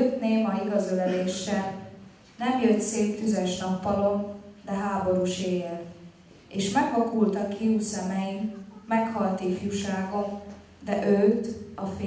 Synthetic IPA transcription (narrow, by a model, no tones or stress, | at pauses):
øt̪neːmɒiɡɒzølɛleːʃːɛl | nɛmjøt̪seːt̪fyzɛʃnɒpːɒlo̞nd̪ɛɦaːbo̞ɾuːʃeːjel | eːʃmɛɡlɒkult̪ɒkːiuːsɛmɛjimmɛkhɒlt̪ifjuʃaːɡo̞n | d̪ɛʔøːt̪ɒfe